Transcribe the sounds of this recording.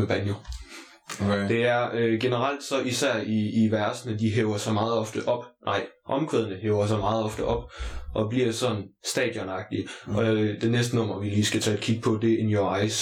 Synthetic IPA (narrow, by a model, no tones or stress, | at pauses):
b̥ænjo | d̥e̝æɐøɡ̥e̝nəʁɑl̰d̥sɒ̽ʔisæɐ̰iːʋæɐsnəd̥iɦeʊɐsɑ̈mɑ̈ːð̞̩ˠɒ̽fd̥əʔɒ̽b̥nʔɑ̈ɪ̰ʔɒ̽mkʰʁeð̞ˠnəɦeːʊɐs̬ɑ̈ɪmɑ̈ːð̞̩ˠɒ̽fd̥əʔɒ̽b̥ʔɒ̽bliɐsɒ̽d̥n̩sd̥ɛ̰ːd̥jɔnɑ̈ɡ̥̚d̥iʔɒ̽d̥enːesd̥ənɔ̽m̰ɐʋiliːsɡ̥æt͡sʰɛ̰ːækʰiɡ̥əpʰɒ̽d̥e̝e̝njoɑ̈ɪs